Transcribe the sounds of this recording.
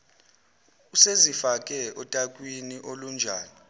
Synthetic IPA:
usezifakʼɛɔtʼakʼwiniʔolund͡ʒʱaːni

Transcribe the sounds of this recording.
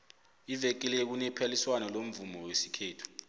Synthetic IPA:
ivɛk̬ilɛk̬unɛpʰaliswanɔlom̩vumɔwesi̥kʰɛːtʰu̥

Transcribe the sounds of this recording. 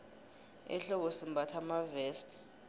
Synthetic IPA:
ɛ̰ɬɔɓɔsimbʱatʰamavɛːstʼ

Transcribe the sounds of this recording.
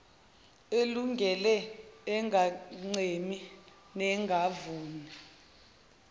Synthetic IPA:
eluŋɡʱɛlɛːŋʱaŋ͡ǀemi | nɛŋɡʱavuːnɛ

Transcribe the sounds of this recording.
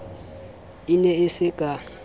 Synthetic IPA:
inɛɪsɪkʼa

